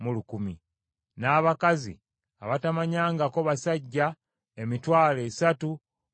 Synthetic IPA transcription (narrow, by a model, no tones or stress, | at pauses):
mulukumi | naːβakazḭ | a̰βatamaɲaːŋɡako̞βasaɟːa | emitwaːle̞ːsatu